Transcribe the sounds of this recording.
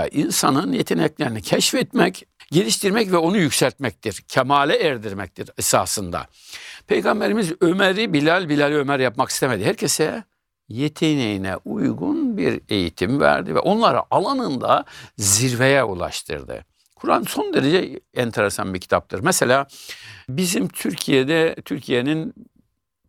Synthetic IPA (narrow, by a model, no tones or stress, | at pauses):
ʔinsanɯnjet̪ʰenɛclʲeɾinicʰɛʃfɛt̪mɛcɟe̞lʲiʃt̪iɾmɛcvɛo̞nujycsælʲt̪̚mɛc̚t̪ʰiɾcʰemaːlʲɛɛɾd̪iɾmɛc̚t̪ʰiɾɛsa̰ːsɯnd̪a̰ | pʰe̞jɡambe̞ɾimizømeɾibilʲælʲbilʲalʲiø̞mæɾjapmaki̥st̪eme̞d̪ihæɾcʰesɛ | jet̪ʰenejinɛ̰ʔujɡunbḭɾe̞jit̪ʰimvæ̰ɾd̪ivɛ̰ʔo̞nlˠaɾa̰ʔalˠanɯnd̪a̰ziɾvejɛulˠa̰ʃt̪ʰɯ̰ɾd̪ɯ̰ | kʰuɾanɯnso̞nd̪e̞ɾed͡ʒɛɛnt̪ʰeɾɛsa̰nbicʰi̥t̪ʰap̚t̪ʰɯɾmɛselʲaːbizimt̪ʰyɾcʰijed̪ɛt̪ʰyɾcʰijenin